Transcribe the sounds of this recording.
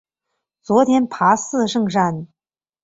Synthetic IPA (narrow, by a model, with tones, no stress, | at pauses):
t͡swɔ˧˥t̪ʰjɛ˧˥npʰa˧˥sɹ̩˥˧ʂɤ˥˧ŋʂa˥˩n